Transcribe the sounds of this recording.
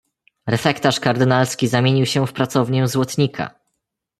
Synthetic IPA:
ɾɛfɛkt̪aʂkaɾd̪ɘnalskʲizamʲjeɲiwɕɛfpɾat̪sɔvɲɛzwɔt̪ɲikʰa̰

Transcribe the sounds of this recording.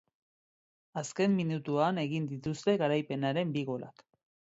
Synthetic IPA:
aske̞mːinut̪uane̞ɣind̪it̪ust̪e̞ɣaɾajpe̞naɾe̞mbiɣo̞lʔa̰k

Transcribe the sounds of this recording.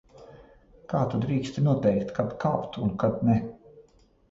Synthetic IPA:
kaːt̪ud̪ɾiːkst̪inuɔt̪ɛjkt̪kad̪kaːpt̪unkad̪nɛ

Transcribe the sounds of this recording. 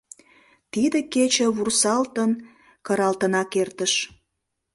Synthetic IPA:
t̪id̪əket͡ɕə̆βursɑlt̪ən | kəɾɑlt̪ənɑkert̪əʃ

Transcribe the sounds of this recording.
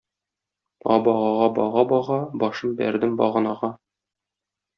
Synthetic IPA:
ɒ̰bɒʁɑʁɑbɒʁɑbɒʁɑbɒʃɤmbæ̰ɾd̪ɘmbɒ̰ʁɤ̆nɑʁɑ

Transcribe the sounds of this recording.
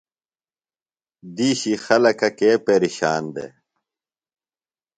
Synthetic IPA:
d̪iːɕixɐlɐkɐkeːpeːɾiɕaːnd̪ḛ

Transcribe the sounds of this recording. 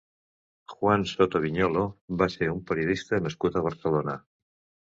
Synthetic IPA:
xwansot̪oβiɲoloβaseɾumpeɾjoðist̪aðemeskut̪aaɾθelona

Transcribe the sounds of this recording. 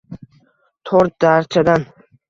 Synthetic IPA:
t̪ʰoɾt̪̚d̪aɾt͡ʃʰad̪an

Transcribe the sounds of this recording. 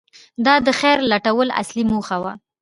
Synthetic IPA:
d̪ɑd̪əxɛɾlaʈawəla̰slimuxawa̰

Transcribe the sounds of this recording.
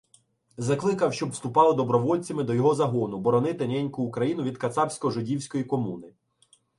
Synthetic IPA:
zɐklˠɪkɐwʃt͡ʃɔbwst̪ʊpɑlˠɪd̪ɔbɾɔʋɔlʲt͡sʲɐmɪd̪ɔjɔɦɔzɐɦɔnʊbɔɾɔnɪt̪ɪnʲɛnʲkʊːkɾɐjinʊʋʲid̪kɐt̪sɑbsʲkɔʒɔdʲiwsʲkɔjikɔmunɪ

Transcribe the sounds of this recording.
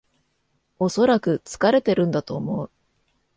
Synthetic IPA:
o̞so̞ɾakɯ̟t͡sɨ̥kaɾe̞t̪e̞ɾɯ̟̃nd̪at̪o̞ːmo̞ɯ

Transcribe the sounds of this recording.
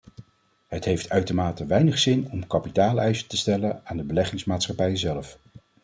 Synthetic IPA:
ɦətɦejftʰœɥtəɹmaːtəʋɛjnəχsɪnɔmkɑpitaːlˠɛjzə̥təstɛlənaːndəbəlɛχɪŋsmaːtsχɑpɛjəzɛlf

